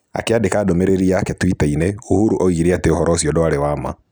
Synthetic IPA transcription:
a̰keadekadɔmɛɾeɾiakɛtwitainɛuhuɾuʔɔiɾiateɔhɔɾʔɔsiɔdɔaɾewama̰

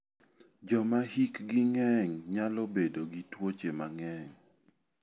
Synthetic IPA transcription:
d͡ʒɔmahikɡiŋɛŋɲalɔbedoɡitwot͡ʃemaŋɛŋ

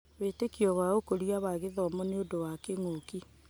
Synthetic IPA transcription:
βetekiɔwaokoɾiaβaɣeðɔmɔneodowakeŋoki

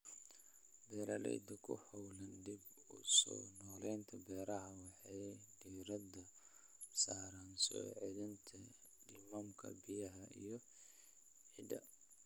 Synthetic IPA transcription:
bɛːɾɐlɛ̰jd̪ɐkʰʊ̰hɔwlɐnd̪ib | ʊsɔ̰ːnɔːlɛjnt̪ʰɐbɛːɾɐɦɐwɑħɑdiːɾɐdɐ | saːɾɐnsɔ̰ːʕɛðɪnt̪ʰɐdimamkʰɐ̰bɪjɐɦɐʔḭjɔ | ħɪd̪ɐ

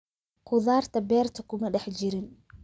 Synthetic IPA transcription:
qʰʊðaːrt̪ʰɐbɛːrt̪ʰɐ̥kʰʊmɐɖɛħt͡ʃɪɾɪn

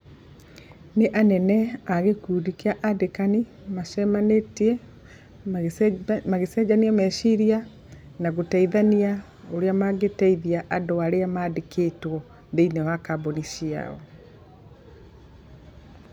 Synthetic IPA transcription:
neʔanɛnɛaɣekuːdikeaʔadekani | maʃɛmanetɛ | maɣesɛd͡ʑaniamɛʃiɾia | naɣotaiðania | oɾeamaɡetɛiðiaʔadoaɾeamadekʰetwɔ | ðeinewakabonisia̰ɔ

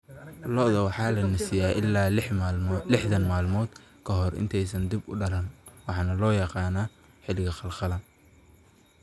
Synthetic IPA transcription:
lɔʔðɐwɑħɑːlɐnɪsɪjaːʔɪlːaː | lɪħðɐnmaːlmɔːd̪ | kʰɐɦɔrɪ̰nt̪ʰɛjsɐnd̪ibʊ̰ɖɐlɐnwɑħɑːnɐlɔːjɑqɑːnaː | ħɪlɪɣɐχɑlχɑlɐ

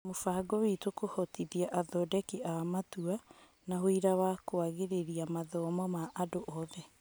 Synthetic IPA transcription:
mofaɡowitokohɔtiðiaʔaðɔdɛkiʔamatua | naɦoiɾawakoaɣeɾeɾiamaðɔmɔmaʔadoʔɔðɛ

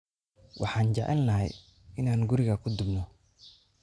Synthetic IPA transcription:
wʔɑħɑːnt͡ʃɑʕɛ̰lːɐɦɛj | ɪnaːnɡʊɾɪɣɐkʰʊd̪ʊbnɔ

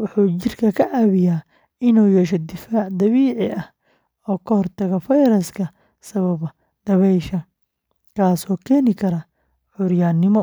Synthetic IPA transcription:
wʊħuːt͡ʃɪrkʰɐkʰɐʕaːβɪjaː | ɪnuːjɛʃɔd̪ɪfaːʕd̪ɐβiːʕɪʔɐh | ɔːkʰɔhɔrt̪ʰɐɣɐfɐjɾɐskʰɐ | sɐβɐβɐ | d̪̥ɐβɛjʃɐ | kʰaːsɔːkʰɛːnɪkʰɐɾɐ | ʕʊɾjaːnɪmɔ

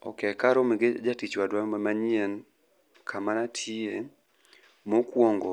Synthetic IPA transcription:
ɔ̰kɛkaɾɔmiɡed͡ʒatit͡ʃwadwaamaɲiɛn | kʰamanatʰie | mɔkwɔŋɡɔ

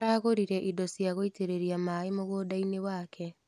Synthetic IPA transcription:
ɾaɣoɾiɾɛʔidɔsjaɣoiteɾeɾiamaːemoɣwodainewaːkʰɛ

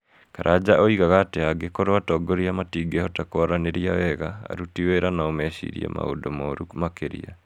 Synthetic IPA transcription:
kaɾʔad͡ʑaoiɣaɣaːteaɡekoɾwatɔːɡoɾiamatiːɡehɔtakoaɾaneɾiawɛɣa̰ːɾutiweɾanaomɛʃḭɾḭḛma̰o̰domɔɾukmakeɾḭa̰

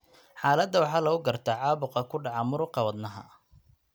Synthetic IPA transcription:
ħɑːlɐd̪ːɐwɑħɑːlɐɣʊɡɐrt̪ʰaʕɑːbʊqɑkʰʊɖɑʕɑmʊɾʊqɑwɐd̪nɐɦɐ̰

